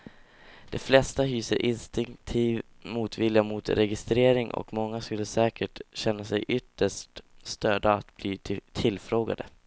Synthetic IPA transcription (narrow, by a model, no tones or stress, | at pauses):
d̪̥ɛflɛst̪aɦyːsəɾʔɪnst̪ɪŋkt̪ʰiːv | muːt̪vɪljamut̪ɾɛɡɪst̪ɾeːɾɪŋʔɔ̰kmɔŋːaskɵlːəsɛːkəʈɕɛnːasɛjʔʏt̪ːəʂʈst̪øːd̪aat̪b̥liːt̪ʰɪlfɾoːɡa̰d̪ə